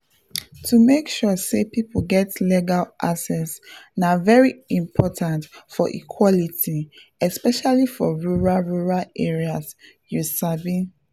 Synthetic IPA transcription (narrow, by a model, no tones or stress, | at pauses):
tʰumekʃɔsepipɡɛtleɡalʔa̰sɛsnavɛɹiĩmpʰɔtʰãntfɔʔḭkʰwɔlitʰiɛspɛʃalifɔɹuɹaɹuɹaleɹias | jusabĩ